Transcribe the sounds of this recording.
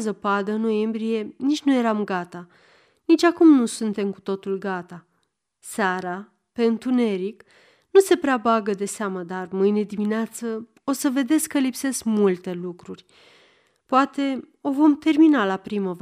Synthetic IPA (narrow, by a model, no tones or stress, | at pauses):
zəpad̪əɨnːo̞je̞mbɾije̞nit͡ʃʲnuje̞ɾamɡat̪a | nit͡ʃʲakumnusunt̪e̞mku̥t̪o̞t̪ulɡat̪a | saɾa | pe̞ɨnt̪une̞ɾik | nuse̞pɾeabaɡəd̪e̞seaməd̪armɨjne̞d̪imineat̪sə | o̞səve̞d̪e̞skːəlipse̞skmult̪e̞lukɾurʲ | poat̪e̞ | o̞vo̞mt̪e̞rminalapɾiməv